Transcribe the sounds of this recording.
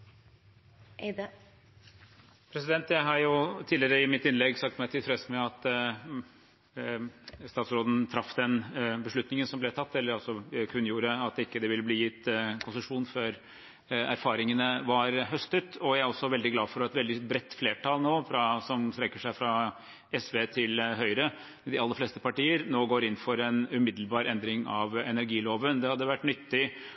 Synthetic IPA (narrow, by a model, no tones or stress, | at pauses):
pʰɾɛsɪd̪ɛnt̪jæɪɦɑɾjʊt̪ʰiːlɪɾəɪmɪt̪ɪnlɛɡsɑk̚t̪mæɪt̪ʰɪlfɾeːsəmɛɑt̪ | st̪ɑːt̪sɾoːd̪ən̩t̪ʰɾɑfd̪ɛnbəʂɭʉt̪nɪŋənsɔmblɛt̪ʰɑt̪ːɛlːəɾɑlsɔkʰʉnːjuːɾəɑt̪̚d̪ɛɪkːəd̪ɛʋɪlːəbliːjɪt̪ːkʰʊnsəʂuːnføːɾ | æ̰ɾfɑːɾɪŋənəʋɑɾɦœst̪ət̪ʰɔjæɪæɾɔsːɔʋɛld̪ɪɡlɑːfɔɾɛt̪ʋɛld̪ɪbɾɛt̪ːfleːʈʰɑːlnoːfɾɑsɔmst̪ɾɛkːəʂæɪfɾɑ | ɛsʋeːt̪ʰɪlɦœʏɾə | d̪ɪɑlːəɾfleːst̪əpɑʈiːəɾnoːɡoːɾɪnːfɔɾɛnʉmɪd̪l̩bɑːɾɛnd̪ɾɪŋɑʋɛnæɾɡiːloːʋənd̪ɛhɑd̪ːəʋæʈːnʏt̪ːɪ